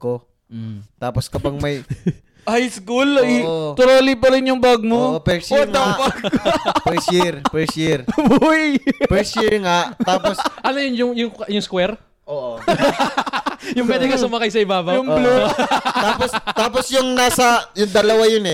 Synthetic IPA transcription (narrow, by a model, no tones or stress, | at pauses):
ko | t̪aːposkɐpɐɡ̚mɐj | hajskulʔt̪ʊɾoːlip̬ɐɾɪnjʊŋbɐɡ̚moopɛɹʃoŋaapɐɡpɛʃiɾpɛɹʃiɹbjpɛɹsiɹŋaʔ̪aːposʔɐlɐjʊnjʊŋjʊŋjʊŋskwɛɾ | ʔoʔo | jʊŋpwɛːd̪ɪŋkɐsʊmɐkajsɐɪbaːbɐjʊŋblot̪aːpost̪aːposjʊŋnaːsɐjʊŋd̪ɐlɐwajonɛ